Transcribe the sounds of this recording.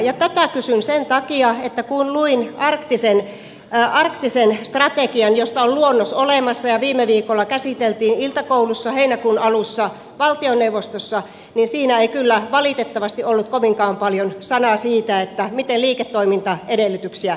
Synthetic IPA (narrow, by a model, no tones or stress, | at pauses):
jɑt̪æt̪ækysynsent̪ɑkiɑet̪ːækunluinɑrkt̪isen | ɑrkt̪isenst̪rɑt̪ekiɑnjost̪ɑolluonːosolemɑsːɑjɑʋiːmːeʋiːkolːɑkæsit̪elt̪iːnilt̪ɑkoulusːɑheinækuːnɑlusːɑ | ʋɑlt̪ioneuʋːˑost̪osːɑ | ninsiːnæeikylːæʋɑlit̪et̪ːɑʋɑst̪iʔolːut̪̚koʋiŋkɑːmpɑljonsɑnɑsiːt̪æet̪ːæmit̪enliːket̪ːoimint̪ɑedelːˑyt̪yksiæ